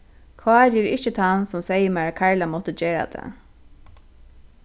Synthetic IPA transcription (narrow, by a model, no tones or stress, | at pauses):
kʰɑːɾɪːɾɪht͡ʃət̪ʰansɔmsɛjəmæːɹkʰaɹlamɔt̪əd͡ʒeːɹa̰d̪ɛ̰